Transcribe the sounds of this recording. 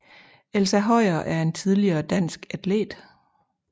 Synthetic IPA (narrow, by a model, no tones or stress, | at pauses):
elsæɦɒ̽ɪ̰ɐʔæɐe̝nt͡sʰið̞ˠliɐːd̥æn̰sɡ̥æd̥le̝̰ːd̥